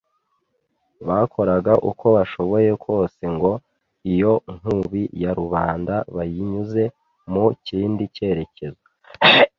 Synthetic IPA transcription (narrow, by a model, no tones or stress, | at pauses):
βakʰo̞ɾaɡaʔukʰo̞βaʃo̞βo̞je̞kwo̞ːse̞ŋɡo̞ | ijo̞ŋ̥uβijaɾuβaːndaβajiɲuze̞ | muciːndice̞ɾe̞ce̞za